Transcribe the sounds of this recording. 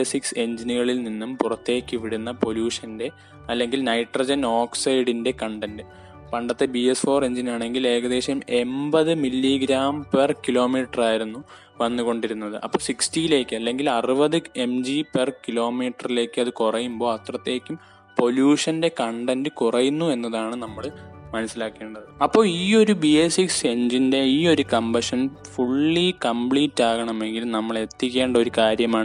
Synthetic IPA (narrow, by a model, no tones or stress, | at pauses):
sikse̞ɲd͡ʑiniɣɐɭilninːumpurɐt̪ːe̞ːkʲːɨʋiɽunːɐpo̞ljuːʂɐnde̞ | ɐlːe̞ŋɡilnɐjʈrɐd͡ʑɐnoːksɐjɽinde̞kɐɳɖɐndɨ | pɐɳɖɐt̪ːebiesfo̞ːre̞ɲd͡ʑinaːɳe̞ŋɡile̞ːɣɐðe̞ːɕɐme̞mbɐðɨmilːiɡɾaːmpɐrkilo̞ːmiːʈːɐraːjiɾunːu | ʋɐnːuɣo̞ɳɖiɾunːɐðɨʔɐ̰pːoːsikstijile̞ːkːɨɐlːe̞ŋɡilɐrɨbɐðɨe̞md͡ʑiperkilo̞ːmiːʈːɐrile̞ːkʲːɨɐðɨkurɐjumbo̞ːɐt̪rɐt̪ːe̞ːkʲːum | po̞ljuːʂɐnde̞kɐɳɖɐndɨkurɐjunːue̞nːɐðaːɳɨnɐmːɐɭmɐnɐsːilaːkːe̞ːɳɖɐðɨɐpːo̞ːɭiːo̞ɾubiesikseɲd͡ʑinde̞iːo̞ɾukɐmbɐʂɐnfuɭːikɐmpɭiːtːaːɣɐɳɐme̞ŋɡilmnɐmːɐɭe̞t̪ːikʲːe̞ːɳɖɐo̞ɾukaːɾjɐmaːɳɨ